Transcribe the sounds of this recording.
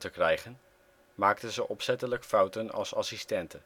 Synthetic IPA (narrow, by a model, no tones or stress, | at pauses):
təkrɛjχən | maːktənzəʔɔpsɛtələkfɑwtənɑ̰lˠsɑsistɛntən